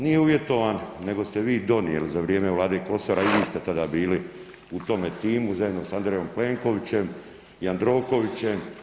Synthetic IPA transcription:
nijeuʋje̞t̪o̞ʋanːe̞ɡo̞st̪eʋiːd̪o̞nijelizaʋɾjeːmeulˠaːd̪eko̞soɾaiʋiːst̪et̪ad̪abiːli | ut̪o̞met̪iːmuzajed̪nosand̪ɾejo̞mple̞ŋko̞ʋit͡ɕe̞m | jand̪ɾo̞ːko̞ʋit͡ɕe̞m

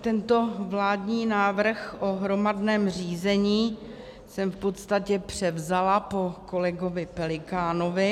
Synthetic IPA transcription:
t̪ɛnt̪o̞vlaːdɲiːnaːvr̩xʔoɦɾo̞madnɛːmriːzɛɲiː | sɛmfpo̞t̪st̪acɛpr̝̥ɛvzalapo̞ko̞lɛɡo̞vɪpɛlɪkaːno̞vɪ

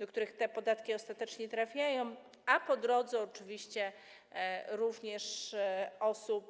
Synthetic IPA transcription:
d̪ɔkt̪uɾɘxt̪ɛpɔd̪at̪kʲiɔst̪at̪ɛt͡ʂɲɛt̪ɾafʲjajɔ̃w̃ | apɔd̪ɾɔd̪zɛɔt͡ʂɘvʲiɕt͡ɕɛ | ɾuvɲɛʂ | ɔsup̚

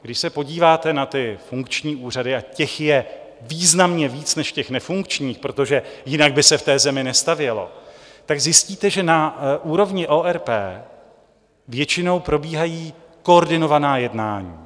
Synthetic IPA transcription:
ɡdɪʃsɛpo̞ɟiːvaːt̪ɛnat̪ɪfuŋkt͡ʃɲiːʔuːr̝adɪacɛxjɛ | viːznamɲɛviːt͡snɛʃcɛxnɛfuŋkt͡ʃɲiːxpɾo̞t̪o̞ʒɛjɪnaɡ̚bɪsɛft̪ɛːzɛmɪnɛst̪avjɛlo̞̰t̪aɡzjɪsciːt̪ɛʒɛnaʔuːɾo̞vɲɪʔoːʔɛɾpɛ̰ː | vjɛt͡ʃɪno̞wpɾo̞biːɦajiː | ko̞oɾdɪno̞vanaːjɛdnaːɲḭː

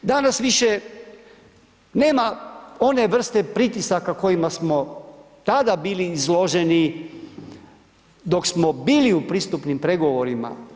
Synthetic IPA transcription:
d̪anasʋiʃe̞ | ne̞ːmao̞ne̞ʋr̩st̪e̞pɾit̪isakako̞jimasmo̞ | t̪ad̪abiːliːzlˠo̞ʒeni | d̪o̞ksmo̞biːliupɾist̪upnimpɾe̞ɡo̞ʋo̞ɾima̰

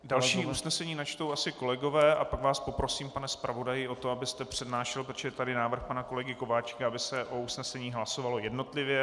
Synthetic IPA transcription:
dalʃiːʔusnɛsɛɲiːnat͡ʃt̪owasɪko̞lɛɡo̞vɛːʔapaɡvaːspo̞pɾo̞siːmpanɛspɾʔavo̞dajɪʔo̞t̪o̞abɪst̪ɛpr̝̥ɛdnaːʃɛlpɾot͡ʃɛɛt̪adɪnaːvr̩xpanako̞lɛɡɪko̞vaːt͡ʃkaabɪsɛʔo̞usnɛsɛɲiːɦlaso̞valo̞jɛdno̞t̪lɪvjɛ

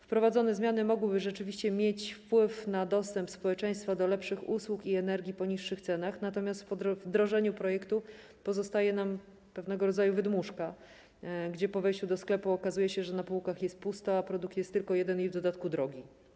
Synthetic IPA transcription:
fpɾɔvad̪zɔnɛzmʲjanɘmɔɡwɘbɘʐɛt͡ʂɘvʲiɕt͡ɕɛmʲjet͡ɕfpwɘfnad̪ɔst̪ɛmpspɔwɛt͡ʂɛj̃st̪fad̪ɔlɛpʂɘxuswukiɛnɛɾɡʲipɔɲiʂːɘxt̪sɛn̪axnat̪ɔmʲjast̪pɔvd̪ɾɔʐɛɲupɾɔjɛkt̪u | pɔzɔst̪ajɛnam | pɛvn̪ɛɡɔɾɔd̪zajuvɘd̪muʂka | ɡd͡ʑɛpɔvɛjɕt͡ɕud̪ɔsklɛpuɔkazujɛɕɛʐɛnapuwkaxjɛst̪̚pust̪ɔapɾɔd̪uk̚t̪jɛst̪ːɘlkɔjɛd̪ɛnivd̪ɔd̪at̪kud̪ɾɔɡʲi

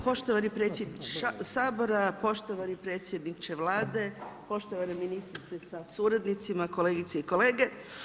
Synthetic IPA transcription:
po̞ʃt̪o̞ʋanipɾe̞t̪sjed̪nit͡ʃe̥saːbo̞ɾapo̞ʃt̪o̞ʋanipɾet̪sʲje̞d̪nit͡ʃeʋlaːd̪e̞po̞ʃt̪oʋaneminist̪ɾit̪sesasuɾad̪nit̪simako̞le̞ːɡit̪seiko̞le̞ːɡe̞

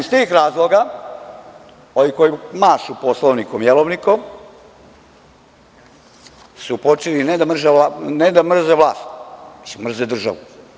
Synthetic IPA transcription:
ist̪iːxɾaːzlˠoɡa | onikojimaːʃuposlˠoʋnikomjelˠoʋnikom | supo̞t͡ʃelined̪amr̩ʒeaned̪amr̩zeʋlaːst̪at͡ʃimr̩zed̪r̩ʒa̰ʋu

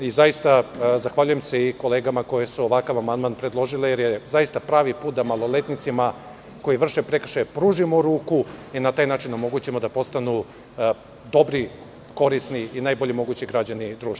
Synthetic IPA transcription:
izajist̪azaxʋaʎuje̞mseiko̞le̞ːɡamako̞jesuoʋakaʋamand̪maːnpɾed̪lˠo̞ʒileje̞ɾjezajist̪apɾaːʋipuːt̪̚d̪amalˠo̞let̪nit̪sima | ko̞jiʋr̩ʃepɾe̞kr̩ʃajpɾuːʒimoɾuːkuinat̪aːjnaːt͡ʃinomo̞ɡut͡ɕimo̞d̪apo̞st̪anu | d̪o̞bɾi | ko̞ɾisniinajboʎimo̞ɡut͡ɕiɡɾad͡ʑanid̪ɾuːʃt̪

